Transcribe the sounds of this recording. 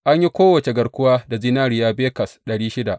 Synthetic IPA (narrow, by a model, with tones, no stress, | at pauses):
ʔa˦ɲji˦kʷoː˦wɐ˨t͡ʃe˨ɡɐ˨ɽkʷʊ˦waː˦da˨zi˦naː˦ɾɪ˨jaː˦beː˦kɐ˨sɗɐ˨ɽiː˦ʃɪ˦da˨ʔ